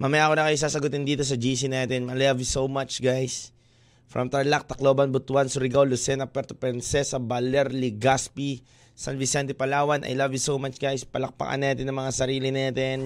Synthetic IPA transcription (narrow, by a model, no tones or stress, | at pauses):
mamɐjaːkonɐkɐjʊsaːsɐɡʊt̪ɪnd̪iːt̪o̞s̬ɐd͡ʒiːs̬inaːt̪ɛnmɐlavjsowmat͡ʃɡajs | fɹʔɐ̰mt̪ɾɐlak̚t̪ɐkloːbɐnbʊt̪ʊwansʊɾɪɡawlʊsɛnɐpɛɾt̪opɛnsɛsɐbalɛɾlɪɡaspi | sɐnvɪsɛnt̪ɛpɐlaːwɐnʔɐ̰jlavjusowmat͡ʃɡajspɐlɐk̚pɐ̰ʔa̰nːaːt̪ɛnːɐŋmɐŋasɐɾiːlɪnaːt̪ɛn